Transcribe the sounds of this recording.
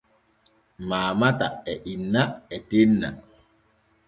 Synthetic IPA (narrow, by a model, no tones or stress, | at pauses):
maːmata̰ɛʔinːaɛtenːa̰